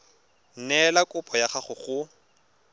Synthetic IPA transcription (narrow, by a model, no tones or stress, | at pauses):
n̩nɛlakʼʊpʼɔjaχaχʊχʊ